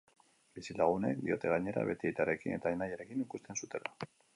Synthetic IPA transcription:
bisilaɣ̞une̞̰k̚d̪io̞̰t̪e̞ɣ̞aɲe̞ɾa̰βe̞t̪iejt̪aɾe̞kine̞t̪aenajaɾe̞kinikust̪e̞nsut̪e̞la

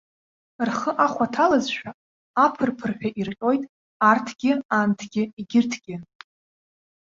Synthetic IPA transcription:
rχəʔaχʷatʰalazʃᶣa | apʰɨrpʰɨrħᶣaʔirqʲʼo̞jtʼ | artʰɡ̥ʲɪantʰɡ̥ʲɪiɡʲɪrtʰɡ̥ʲɪn

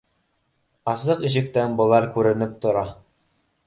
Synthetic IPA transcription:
ɑzɤqiʑɘ̆k̚t̪ænbŏlˠɑɾkʉɾɘ̆nɘp̚t̪ŏɾɑ

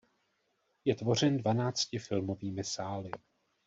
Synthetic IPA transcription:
jɛt̪vo̞r̝ɛndvanaːt͡scɪfɪlmo̞viːmɪsaːlɪ

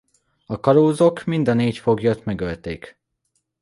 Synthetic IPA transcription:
ɒkɒɾoːzo̞kmind̪ɒneːcfo̞ɡjøt̪mɛɡølt̪eːk

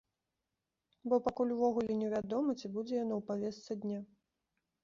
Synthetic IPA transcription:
bɔpakulʲwvɔɣulʲɛnʲɛvʲad̪ɔmɐt͡sʲibud͡zʲɛjanɔwpavʲɛst̪sɐd̪ʲnʲa

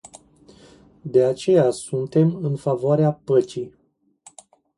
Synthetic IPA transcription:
d̪e̞at͡ʃe̞jasunt̪e̞mɨnfavoaɾeapət͡ʃij

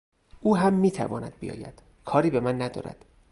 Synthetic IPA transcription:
ʔuːɦæmːiːt̪ʰæ̰vɒːnæd̪̥̚bijɒ̰ːjæ̰d̪̥ | kʰɒːɾiːbe̞mænːæd̪ɒ̰ːɾæ̰d̪̥

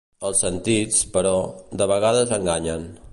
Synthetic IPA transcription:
əlˠsːənt̪it͡spəɾɔd̪əβəɣaðəzəŋɡaɲən

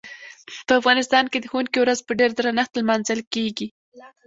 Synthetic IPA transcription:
pəafɣɑnɪst̪ɑnked̪əxunkiwɾazpəɖeɾd̪ɾanaxt̪lmanzəlkeɡi

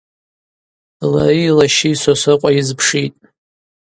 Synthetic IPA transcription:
lailaʃisasɨqʷʼajɪzpʰʂitʼ

